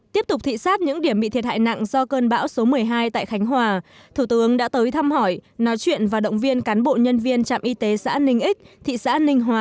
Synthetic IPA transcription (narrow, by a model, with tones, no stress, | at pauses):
t̪i˦˥əp̚t̪ʊ˨˩k͡p̚t̪ʰḭ˧˨saː˦˥t̚ɲɨ̰˧˥ŋɗi˧˩əmɓḭ˧˨t̪ʰi˨˩t̚ha̰ː˧˨jna̰˧˨ŋzɔ˧kəː˧nɓa̰ː˧˥wso˨˦mɨ˨˩əjɦaː˧jt̪a̰ː˧˨jxa˨˦jŋ̟ɦwaː˨˩ | t̪ʰu˧˩t̪ɨ˨˦əŋɗa̰ː˧˥t̪əː˨˦jt̪ʰa˧mhɔ˧˩jnɔ˨˦jt͡ɕwḭ˧˨ənvaː˨˩ɗə̰˧˨wŋ͡mvi˧ənkaː˨˦nɓo̰˧˨ɲə˧nvi˧ənt͡ɕa̰ː˧˨mʔi˧t̪e˨˦sa̰ː˧˥nï˧ŋ̟ʔi˦˥k̟̚t̪ʰḭ˧˨sa̰ː˧˥nï˧ŋ̟ɦwaː˨˩